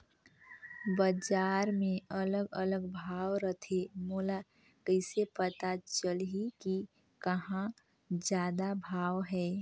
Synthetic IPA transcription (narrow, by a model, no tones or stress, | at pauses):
bəd͡ʒaːɾmẽələɡələɡbʱaːwɾət̪ʰemuːla | kəɪsepət̪at͡ʃəlɦiki | kəɦã | d͡ʒjaːd̪abʱaːwɦɛː